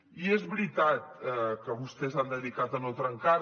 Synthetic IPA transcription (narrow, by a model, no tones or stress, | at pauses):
iezβɾit̪at̪̚ɛkəβust̪ezand̪əðikat̪ənot̪ɾəŋka